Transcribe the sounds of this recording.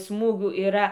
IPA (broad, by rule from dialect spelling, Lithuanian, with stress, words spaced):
ˈsmuːɡʲuː iːˈrɐ